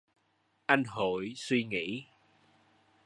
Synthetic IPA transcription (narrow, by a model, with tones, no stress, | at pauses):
ʔa˧jnɦo˧˨jswi˧ŋḭ˧˥